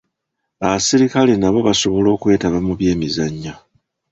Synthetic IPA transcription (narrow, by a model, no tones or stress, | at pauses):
aβasiɾikale̞naβo̞βaso̞βo̞lo̞ːkwe̞ːtaβamuβje̞ːmizaɲːa